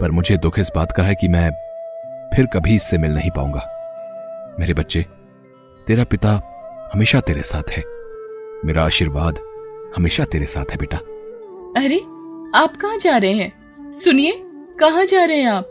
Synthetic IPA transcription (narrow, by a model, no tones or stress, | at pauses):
pɐɾmʊd͡ʒʱed̪ʊkʰɪsbaːt̪kaɦɛkimɛ̃ː | pʰɪɾkɐbʱiɪsːemɪlnɐɦĩpa̰ːṵ̃ːŋɡaː | meːɾebɐtːʃe | t̪eːɾapɪt̪ahɐmeːʃat̪eːɾesaːt̪ʰhɛː | meːɾaːʃiːɾʋaːd̪hɐmeːʃat̪eːɾesa̰ːt̪ʰhɦɛbeːʈaː | ɐɾe | aːpkɐɦãd͡ʒaːɾɐɦeɦɛ̃ː | sʊnie | kɐɦãd͡ʒaːɾɐɦɛ̃aːp̚